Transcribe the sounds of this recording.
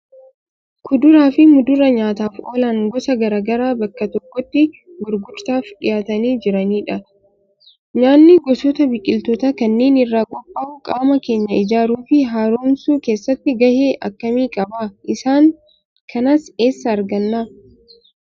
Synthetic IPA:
kʰʊd̪ʊɾaːfɪmʊd̪ʊɾɐɲaːt̪aːfo̰ːlaŋɡɔsɐɡɐɾaːɡɐɾaːbɐkːɐt̪ɔkːɔt̪ːɪ | ɡʊɾɡʊɾt̪aːfᶑɪjaːt̪ɐniːd͡ʒɪɾɐniːᶑɐ | ɲaːnːɪɡɔsɔt̪ɐbɪkʼːɪlt̪ɔt̪ɐkɐnːe̞ːnɪrːaːkʼɔpʼːaːʔʊkʼaːmɐke̞ːɲːɐɪd͡ʒaːɾuːfɪɦaːɾoːnsuːke̞ːsːɐt̪ːɪɡɐheːʔɐ̰kːɐmiːkʼɐbaːʔɪsaːŋ | kʰɐnɐse̞ːsːɐːɾɡɐnːaː

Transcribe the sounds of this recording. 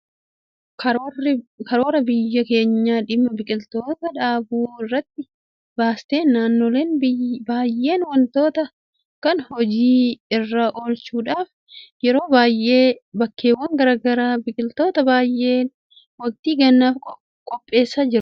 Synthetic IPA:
kː | kɐɾo̞ːɾɐbɪjːɐke̞ːɲːaːᶑɪmːɐbɪkʼɪlt̪oːt̪ɐᶑaːbuːɪrːɐt̪ːɪ | baːst̪eːnːaːnːoːle̞ːnbaːjʔe̞ːnwɐnt̪o̞ːt̪ɐ | kɐnhɔd͡ʒiːɪrːaːʔo̞ːlt͡ʃuːᶑaːf | jɛɾo̞ːbaːjʔeːbɐkːe̞ːwːɐŋɡɐɾaːɡɐɾaːbɪkʼɪlt̪o̞ːt̪ɐbaːjʔeːn | wɐk̚t̪iːɡɐnːaːf | kʼɔpʼːe̞ːsːaːd͡ʒɪɾʊ

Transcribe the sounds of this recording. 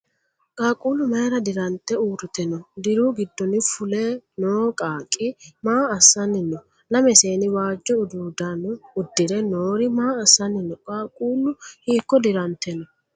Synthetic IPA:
kʼaːkʼuːlʊmɐjɾɐd̪ɪɾɐnt̪ːɛuːɾɪt̪ɛnɔd̪ɪɾuːɡɪd̪ːɔnɪfʊlɛnoːkʼaːkʼːɪmaːɐsːɐnːɪnːɔ | lɐmɛse̞ːnɪwaːd͡ʒːɔʊd̪uːd̪ɐnʊʊd̪ːɪɾɛnoːɾɪmaːɐsːɐnːɪnːɔkʼaːkʼuːlʊhiːkːɔd̪ɪɾɐnt̪ːɛnɔ

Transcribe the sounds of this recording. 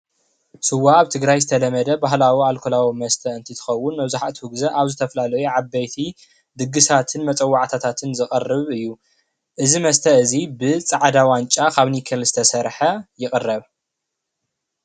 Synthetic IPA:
sɨwaːβt̪ʰɨɡɾajzɨt̪ʰɐlɐmɐd̪ɐbaɦlawialkʰolawimɐst̪ʰɐɨnt̪ʰit̪ʰɨ̥xɐwːʊnːɐβzaħaʔt̪ʰhuɡzɐʔaβzɨt̪ʰɐflalɐjuʕabːɐjt̪ʰi | d̪ɨɡɨsat̪ʰɨnmɐt͡sʼɐwːaʕt̪ʰat̪ʰat̪ʰɨnzɨχʼɐrːɨβɨjːu | ʔɨzimɐst̪ʰɐɨzibɨt͡sʼaʕd̪awant͡ʃʼakʰaβnikʰɐlzɨt̪ʰɐsɐɾħɐjɪχʼɨrːɐβ

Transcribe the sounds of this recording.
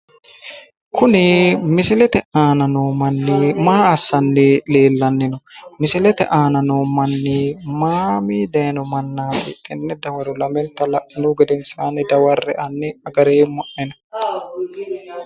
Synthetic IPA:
kʰʊnɪmɪsɪlɛt̪ɛʔaːnɐnoːmɐnːɪmaːɐsːɐnːɪle̞ːlːɐnːɪnɔmɪsɪlɛt̪ɛ̰ʔaːnɐnoːmɐnːɪmaːmiːd̪ɐjnɔmɐnːaːt̪ɪt̪ʼːɛnːɛd̪ɐwɐɾʊlɐmɛnt̪ːɐlɐʔɪnʊɡɛd̪ɛnsaːnɪd̪ɐwɐrːɛʔɐnːɪɐɡɐɾeːmɔʔːɛnɐ

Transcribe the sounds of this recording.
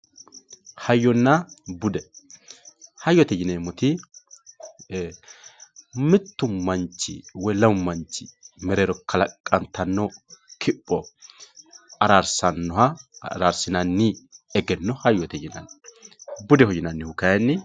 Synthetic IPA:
hɐjːɔnːɐbʊd̪ɛ | hɐjːɔt̪ɛjɪnemɔt̪ɪ | mɪt̪ːʊmɐnt͡ʃːɪ̰wɔlɐwʊmːɐnt͡ʃːɪ̥mɛɾeɾɔkʰɐlɐkʼːɐnt̪ːɐnːɔkʰɪpʼːɔ | ɐɾaɾsɐnːɔhɐɾaɾsɪnɐnːɪɛɡɛnːɔhɐjːɔt̪ɛjɪnɐ̰n | bʊd̪ɛhɔjɪnɐnːɪhʊkɐjɛnːɪ

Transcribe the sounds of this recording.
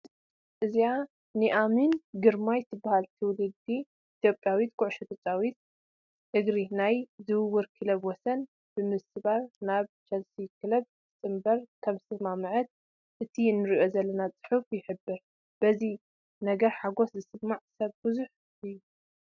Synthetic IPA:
ʔɨzija | nɨʔaminɡɨɾmajt̪ʰɨbːahalt̪ʰɨwlɨɡ̪̚d̪iː | t̪ʰjo̞pʼjawit̪kʰʊʕʊʃɐt̪ʰɐt͡ʃʼawit̪̚ | ʔɨɡɾinajzɨwɨwːɨɾkʰɨlɐβwɔsɐn | b̥ɨmɨsɨβaɾnaβt͡ʃʰɐlsikʰɨlɐβ | ɨt͡sʼɨmbɐɾkʰɐβɨsɨmamɨʕɨt̪̚ | ʔɨt̪ʰiɨnːɨɾiʔo̞zɐlːɐnat͡sʼɨ̥ħufjɪħɨbːɨɾ | b̥ɐzi | nɐɡɐɾħaɡo̞szɨsɨmːaʕsɐβbɨzuħ | ʔɨjːu

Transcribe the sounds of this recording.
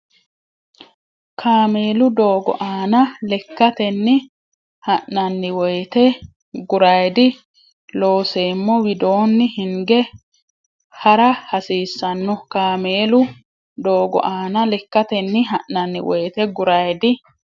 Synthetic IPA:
kʰaːme̞ːlʊd̪o̞ːɡɔ̰ʔaːnɐlɛkːɐt̪ɛnːɪ | hɐʔːɐnːɪwɔjt̪ɛ | ɡʊɾɐjd̪ɪ | lo̞ːseːmːɔwɪd̪o̞ːnːɪhɪŋɡɛ | hɐɾɐhɐsiːsːɐnːɔkaːmeːlʊ | d̪o̞ːɡɔ̰ʔaːnɐlɛkːɐt̪ɛnːɪɦɐʔːɐnːɪ̰wɔjt̪ɛɡʊɾɐjd̪ɪ

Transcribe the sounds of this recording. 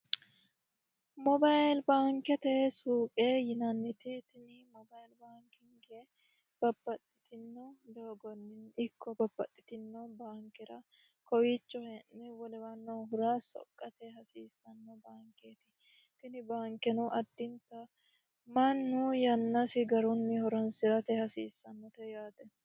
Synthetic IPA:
mɔbalbaːŋkɛt̪ɛsuːpʼejɪnɐnːɪt̪ɪt̪ɪnɪmɔbajlbaːŋkɪŋɡe | b̥ɐbːɐt̪ʼːɪt̪ɪnːɔd̪oːɡɔnːɪnɪkʰːɔbɐbːɐt̪ʼːɪ̥t̪ɪnːɔbaːŋkɛɾɐ | kɔwit͡ʃːɔhɛnːɪwɔlɛwɐnːɔɦʊɾaːsɔ̰kʼːɐt̪ɛɦɐsiːsːɐnːɔbaːŋkeːt̪ɪ̥ | t̪ɪnɪbaːŋkɛnʊʔɐd̪ːɪnt̪ɐ | mɐnːʊjɐnːɐsɪɡɐɾʊnːɪhɔɾɔnsɪɾɐt̪ɛhɐsiːsːɐnːɔt̪ɛjaːt̪ɛ

